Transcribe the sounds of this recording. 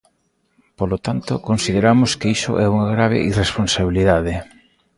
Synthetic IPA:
polot̪ant̪okonsið̞eɾamʊskeisʊ̰ʔɛuŋaɣɾaβ̞ḛʔiresponsaβiliðaðɪ

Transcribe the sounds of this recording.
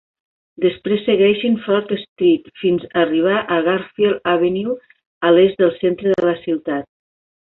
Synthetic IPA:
d̪əspɾesːəɣɛʃinfɔɾt̪əst̪ɾit̪finzəriβ̞aʔəɣaɾfielaβeniw | əlezðəlˠsent̪ɾəðələsiwt̪at̪̚

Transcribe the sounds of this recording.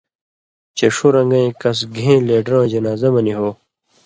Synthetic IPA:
t͡ɕeʂoɾɐ̃ŋɡɐ̃ẽkɐs̬ɡʱẽːleːɖɾõd͡ʑɐnaːzɐmɐniɦoː

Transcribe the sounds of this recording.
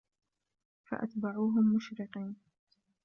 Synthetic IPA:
fa̰ʔa̰t̪baʕuːɦʊmːʊʃɾɪqiːn

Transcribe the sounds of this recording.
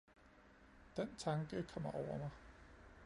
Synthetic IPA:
d̥ent͡sʰɑ̈ŋɡ̥əkʰɒ̽m̰ɐʔɒʊ̰ɐmɑ̈ɪ

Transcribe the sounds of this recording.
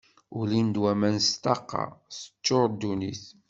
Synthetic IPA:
ulind̪wæmænst̪ɑqːɑ̰sə̥t͡ʃːoɾˤd̪uniθ

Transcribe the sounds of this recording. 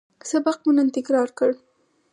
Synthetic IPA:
sabaq̚munant̪ɪkɾɑɾkəɽ

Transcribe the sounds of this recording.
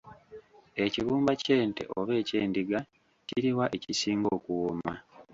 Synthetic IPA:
e̞ciβuːmbace̞ːnte̞̰ʔoβe̞ːceːndiɡa | ciɾiwaʔe̞cisiːŋɡo̞ːkuwoma

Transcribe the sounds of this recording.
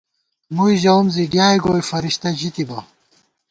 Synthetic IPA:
mujʑɐwmziɡjaːjɡoːjfɐɾiɕt̪ɐʑit̪ibɐ

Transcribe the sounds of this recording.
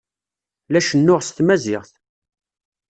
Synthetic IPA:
læʃənːʊʁst̪mæzɪʁθ

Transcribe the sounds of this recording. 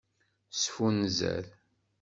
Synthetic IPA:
sfunzæ̰ð

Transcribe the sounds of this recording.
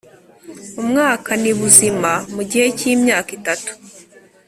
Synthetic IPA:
umŋaːkaniβuzimamuɟihe̞ciːmɲaːkitatu̥

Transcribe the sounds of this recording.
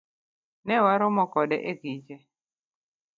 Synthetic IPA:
nɛwaɾɔmɔkɔdɛ̰ʔeɡid͡ʒe

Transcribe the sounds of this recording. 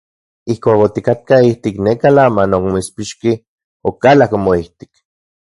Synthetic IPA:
ihkʷaːkot̪ikat̪̚kaiht̪ikneːkalamanokmoispiʃki | okalakomoiht̪i̥k

